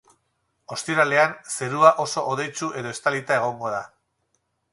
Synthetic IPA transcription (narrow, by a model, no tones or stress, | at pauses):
o̞st̪iɾale̞anse̞ɾuaʔo̞so̞ʔoðe̞jt͡sue̞ðo̞e̞st̪alit̪ae̞ɣ̞o̞ŋɡo̞ð̞a